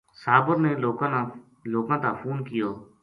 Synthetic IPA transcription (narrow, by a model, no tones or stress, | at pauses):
saːbəɾneːloːkãːn | loːkãːt̪ãːpʰuːnkɪjoː